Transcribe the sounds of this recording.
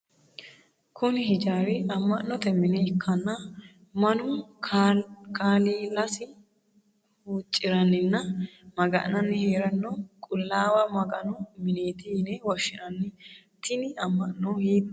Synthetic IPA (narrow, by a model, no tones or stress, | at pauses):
kʰʊnɪhɪd͡ʒaːɾɪɐmːɐʔnːɔt̪ɛmɪnɛɪkʰːɐnːɐ | mɐnʊ | kaːliːlɐsɪ | huːt͡ʃʼːɪɾɐnːɪnːɐmɐɡɐ̰ʔnɐnːɪheːɾɐnːɔkʼʊlːaːwɐmɐɡɐnɔmɪne̞ːt̪ɪnɛwɔʃːɪʔɐnːɪ | t̪ɪnɪɐmːɐʔnːohiːd̪